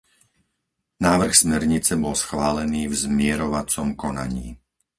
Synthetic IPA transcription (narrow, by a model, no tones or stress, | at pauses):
naːʋr̩xsmɛɾɲit͡sɛbɔlsxʋaːlɛniːvzmɪɛɾɔʋat͡sɔmkɔna̰ɲḭː